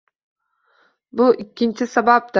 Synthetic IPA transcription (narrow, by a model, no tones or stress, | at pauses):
buʔikʲːint͡ʃisabap̚d̪a